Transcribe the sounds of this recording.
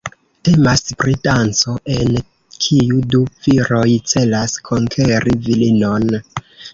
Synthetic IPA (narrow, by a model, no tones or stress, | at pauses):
te̞maspɾitant͡so̞ʔe̞n | kʰijudufiɾo̞jt͡se̞laskʰo̞ŋkʰe̞ɾivilino̞n